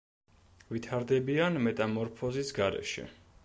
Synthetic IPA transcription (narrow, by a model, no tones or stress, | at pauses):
vit̪ʰaɾd̪ɛbianmɛt̪ʼamɔɾpʰɔzisɡaɾɛ̰ʃɛ̰